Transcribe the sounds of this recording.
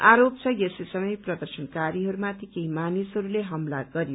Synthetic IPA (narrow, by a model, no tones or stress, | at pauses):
aɾop̚t͡sʰʌjesesʌmʌjprʌd̪ʌrsʌnkaɾiɦʌɾumat̪ikeimanisɦʌɾuleɦʌmlaɡʌɾijo